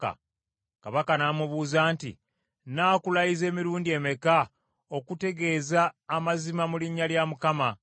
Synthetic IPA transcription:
a̰ | kaβakanaːmuβuːzaːntḭ | naːkulajize̞ːmiɾuːndie̞meka | o̞kute̞ɡe̞ːzaːmazimamuliɲːaljamukama

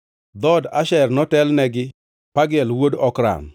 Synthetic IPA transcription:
d̪ɔdaʃɛrnɔtɛlnɛɡɪ | paɡɛlwodɔkɾa̰n

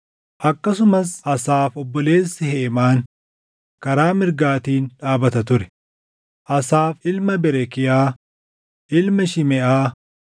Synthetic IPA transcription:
ʔɐkːɐs̬ʊmɐsɐsaːfɔbːɔle̞ːsːɪheːmaːn | kɐɾaːmɪɾɡaːt̪iːnᶑaːbɐt̪ɐt̪ʊɾɛ̥ | ʔɐsaːfɪlmɐbɛɾɛkɪjaː | ʔɪlmɐʃɪmɛʔaː

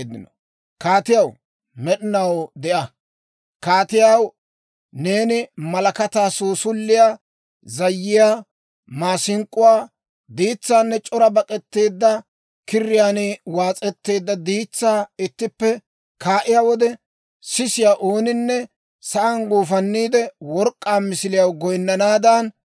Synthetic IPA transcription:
d̪ɪnɔ | kaːt̪ɪjɐw | mɛɗɪnɐwd̪ɛʔɐ | kaːt̪ɪjaw | ne̞ːnɪmɐlɐkɐt̪aːsoːsʊlːɪja | zɐjːɪjaː | maːsɪŋkʼːʊwaː | d̪iːt͡sːaːnːɛt͡ʃʼɔɾɐbɐkʼɛt̪ːe̞ːd̪ːɐ | kɪrːɪjaːnewaːt͡sʼɛt̪ːe̞ːd̪ːɐd̪iːt͡sːaːɪt̪ːɪpːɛ | kʰaːʔɪjawɔd̪ɛ | sɪsɪjaʔoːnɪnːɛ | sɐʔɐnɡuːfɐnːiːd̪ɛwɔɾkʼːaːmɪsɪlɪjɐwɡɔjnːɐnaːd̪ɐn

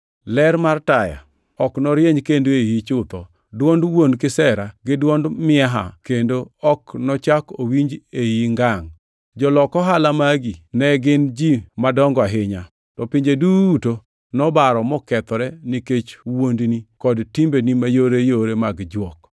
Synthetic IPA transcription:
lɛɾmartaja̰ | ɔknɔɾjeɲkendoejit͡ʃʊt̪ɔ | dwɔndwondkɪsɛɾaɡɪdwɔndmɪaɦa̰kendoɔknɔt͡ʃakowiɲd͡ʒejiŋɡaŋ | d͡ʒɔlɔkɔɦalamaɡinɛɡɪnd͡ʒimadɔŋɡɔaɦɪɲa | tɔpɪɲd͡ʒeduːto | nɔbaɾɔmɔkɛt̪ɔɾɛniket͡ʃwondnikɔdtimbenimajoɾejoɾemaɡd͡ʒwɔk

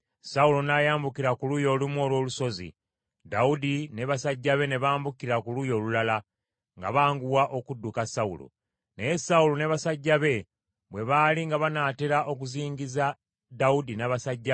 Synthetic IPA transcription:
saulo̞najaːmbukiɾakulujo̞ːlumwo̞ːlwo̞ːluso̞zḭ | daudine̞βasaɟːaβe̞ne̞βaːmbukiɾakulujo̞ːlulala | ŋɡa̰βaːŋɡuwaʔo̞kudːukasaṵlo̰ | nejesaulo̞ne̞βasaɟːaβe̞ | βwe̞βaːliŋɡaβanaːteɾaʔo̞kuziːŋɡiza | daudinaβasaɟːa

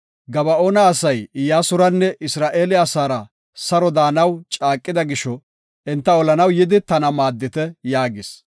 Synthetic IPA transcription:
ɡɐbɐoːnɐːsɐjɪjaːsʊɾɐnːɛʔɪsɾaːʔe̞ːlɪasaːɾɐ | sɐɾɔd̪aːnɐwt͡ʃʼaːkʼːɪd̪ɐɡɪʃɔ | ɛnt̪ːɐɔlɐnɐwjɪd̪ɪt̪ɐnɐmaːd̪ːɪt̪ɛjaːɡɪs

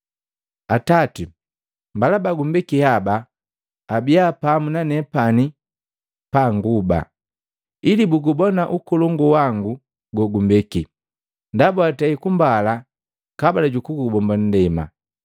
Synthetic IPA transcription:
atati | mbalabaɡumbɛkihabaː | bijapamunanɛpani | paŋɡuba̰ | ilibuɡubɔnaʔukɔlɔŋɡuwaŋɡu | ɡɔɡumbɛki | ndabuataikumbala | kabalaɟukuɡubɔmban̩dɛma̰

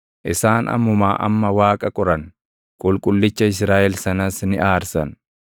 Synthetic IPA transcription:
ʔɪsaːnɐ̰mːʊmaːʔɐ̰mːɐwaːkʼɐkʼɔɾɐn | kʼʊlkʼʊlːɪt͡ʃːɐɪsɾaːʔɛlsɐnɐsnɪʔaːɾsɐ̰n

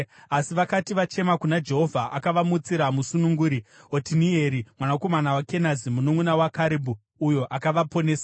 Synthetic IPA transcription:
asiʋakatiʋat͡ʃe̞makunad͡ʒe̞ɦo̞vʱaʔakaʋamut͡siɾamusunuŋɡuːɾiotinie̞ɾimwanako̞manawake̞nazimunomwunawakaɾebʱu | ujo̞ʔakaʋapo̞ne̞ːsa

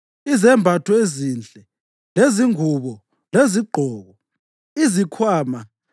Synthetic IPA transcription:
izɛmbʱatʰɔezind͡ɮʱʼɛ | leziŋuβɔ | leziɡ͡ǃʱɔːɣɔ | izikʰwaːma

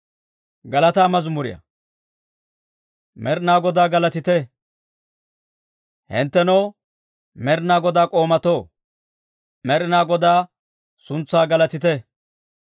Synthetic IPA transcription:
ɡɐlɐt̪aːmɐzmʊɾɪ̰jɐ̰ | mʔɛɾɪnaːɡɔd̪aːɡɐlɐt̪ɪt̪ɛ | hɪ̰nt̪ːɛnɔw | mɛɾɪnaːɡɔd̪aːkʼo̞ːmɐt̪oː | mɛɾɪnaːɡɔd̪aː | sʊnt͡sːaːɡɐlɐt̪ɪt̪ɛ

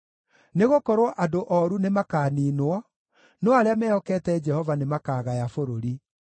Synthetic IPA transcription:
neɣokɔɾwɔʔadoʔɔɾunemakaːniːnwɔ | nɔaɾeamɛɔkɛtɛd͡ʒɛhɔvanemakaːɣajafoɾoɾi

